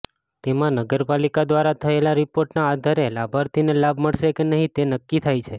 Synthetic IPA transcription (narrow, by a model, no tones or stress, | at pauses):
t̪emãnəɡəɾpalikad̪ʋaɾat̪ʰəelaɾipoɾʈnaːd̪ʱaɾelabʱaɾt̪ʰinelabʱməɭʃekenəɦĩt̪enəkːit̪ʰajt͡ʃʰe